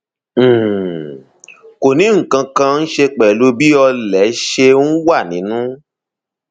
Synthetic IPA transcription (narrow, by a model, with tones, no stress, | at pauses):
ko˨nĩ˨˦ŋ̩˨kã˧kã˧n̩˦ʃe˧k͡pɛ˨lo˧˦bi˦ɔ˧lɛ˨˦ʃe˧˦wa˦˨nĩ˨˦nũ˦